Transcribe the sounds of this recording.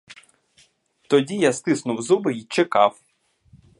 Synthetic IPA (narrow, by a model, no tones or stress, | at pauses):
t̪ɔdʲijast̪ɪsnʊwzubɪit͡ʃekɑw